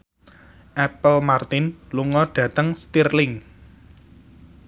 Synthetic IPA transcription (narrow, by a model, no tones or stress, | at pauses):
ʔɛpəlmart̪ɪnluŋɔɖ̥ä̤t̪əŋst̪irlɪŋ